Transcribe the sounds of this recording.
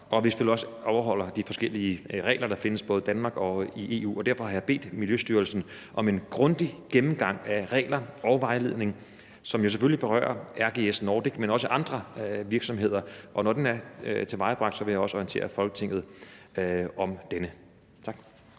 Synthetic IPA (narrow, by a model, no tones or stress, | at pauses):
ʔɒ̽ʋe̝sfelɒ̽səɒʊɐɦɒ̽l̰ɐd̥ifɒ̽sɡ̥el̰iəʁɛ̰ːɪlɐɾɑ̈fe̝nəsb̥ɔ̽ːð̞̩ˠd̥ænmɑ̈ːɡ̥ɒ̽iʔe̝ːṵːɒ̽d̥æɐfɒ̽hɑ̈jɑ̈b̥e̝̰ːd̥miljøsd̥yːɐlsn̩ | ʔɒ̽me̝nɡ̥ʁɔ̽nd̥iɡ̥emm̩ɡ̥ɑ̈ŋ̰æʁɛ̰ːlɐɒʊʋɑ̈ɪle̝ð̞̰ˠne̝ŋ | sɒ̽mjo̝s̬efølib̥e̝ʁɶ̰ːɐæɐɡ̥e̝̰ːesnɒːd̥iɡ̥menɒ̽səʔɑ̈nd̥ʁɐʋiɐɡ̥sɒ̽mɦe̝ð̰ˠɐʔɒ̽nɒd̥enæɐt͡sʰe̝ʋɑ̈ɪəb̥ʁɑ̈ɡ̥d̥sɒ̽ʋe̝jäɒ̽səɒint͡sʰe̝̰ːɐfɒ̽lɡ̥ə̥t͡sʰe̝ŋ̰ð̩ˠ | ɒ̽md̥enə | t͡sʰɑ̈ɡ̥